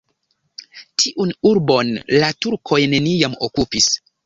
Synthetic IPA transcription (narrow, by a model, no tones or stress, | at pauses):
tʰiʔunuɾbo̞nlatuɾkʰo̞jne̞nijamo̰kupis